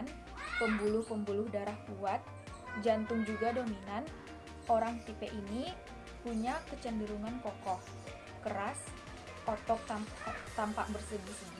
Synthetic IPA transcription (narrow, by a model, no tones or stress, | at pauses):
n | pəmbulʊhpəmbulʊhdaɾahpuat̪̚ | d͡ʒant̪ʊŋd͡ʒuɡadominan | ʔoɾaŋt̪ipeʔini | puɲakət͡ʃəndəɾuŋankɔkɔh | kəɾas | ʔɔt̪ɔk̚t̪at̪ampa̰ʔbərsədisədi